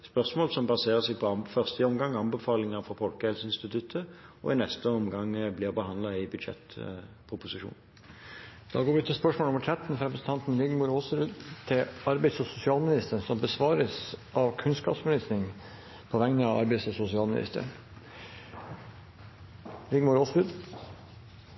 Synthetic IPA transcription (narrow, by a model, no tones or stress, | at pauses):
spœʁsmoːlsɔmbɑseːʁəsɛɪɡpʰɔɑfœʁst̪əɔmɡɑŋːɑmbəfɑːlɪŋɑfɔpʰɔlkəɛlsəɪnst̪ɪt̪ʰʉt̪ʰəɔ̰ɪnɛst̪əɔmɡɑŋblɪʁbəhɑnd̪lɑɪbʉd̪ʃɛ̰t̪ | pʰʁʊpʊsɪʂṵːn | d̪̥ɑ̰ːɡoːɾʋɪʉt̪ʰɪlspœʂmolʊməʈʰɾɛt̪n̩fɾɛpɾəsn̩t̪ɑnt̪n̩lɪɡmʊɾoːsəɾʉt̪ʰɪlɑɾbɛɪsɔsʊsɪɑːlmɪnɪst̪əənsɔmbəsʋɑːɾəsʔɑʋkʰʉnskɑ̰psmɪlɪsnɪŋ | pʰɔʋɛŋnəɑɑ̰ɾbɪsɔsʊsɪɑːlmɪnɪ̰st̪ə̰ɳ | ɾɪɡmʊɾoːsʋʉd̪